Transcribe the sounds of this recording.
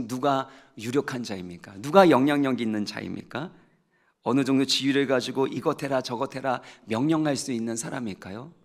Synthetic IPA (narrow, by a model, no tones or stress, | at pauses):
nuɡajuɾjokʰand͡ʑaimɲik͈anuɡajʌŋɲʌŋɲʌŋɡinːɯnt͡ɕa̰ḭmɲḭk͈a | ʌnɯd͡ʑoŋdot͡ɕiɥiɾɯɭɡad͡ʑiɡoʔiɡʌtʰe̞ɾat͡ɕʌɡʌtʰe̞ɾamjʌŋɲʌŋɦaɭs͈uinːɯnsʰaɾa̰mik͈ajo